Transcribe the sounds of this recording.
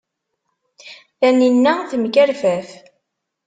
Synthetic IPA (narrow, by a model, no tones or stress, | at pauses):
θæninːæθəmkæɾfæθ